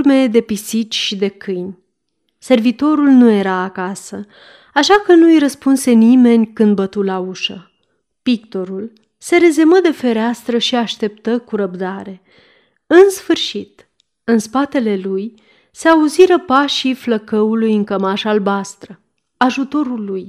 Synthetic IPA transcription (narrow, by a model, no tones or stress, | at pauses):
me̞d̪e̞pisit͡ʃʃid̪e̞kʰɨjnʲ | se̞rvit̪o̞ɾulnuje̞ɾaːkasə | aʃakənujɾəspunse̞nime̞nʲkɨnd̪̚bət̪ulauʃə | pik̚t̪o̞ɾul | se̞ɾe̞zeməd̪e̞fe̞ɾeast̪ɾəʃiaʃt̪e̞pt̪əkuɾəbd̪aɾe̞ | ɨnsfɨrʃit̪ | ɨnspat̪e̞le̞luj | se̞auziɾəpaʃijfləkəulujɨŋkəmaʃalbast̪ɾə | aʒut̪o̞ɾuluj